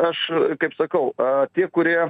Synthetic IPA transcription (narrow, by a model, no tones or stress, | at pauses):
ɐʃkɐɪpsɐkɐʊt̪ʲiɛkʊɾʲiɛ